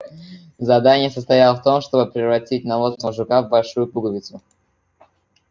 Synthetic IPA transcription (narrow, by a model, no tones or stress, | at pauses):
zɐd̪anʲɪjəsəst̪ɐjalˠəft̪o̞mʂt̪o̞bɨpɾʲɪvɾɐtʲit̚ʲnɐlˠosnəvəʐʊkavbɐlʲʂujʊpuɡlˠvʲɪt̪sʊ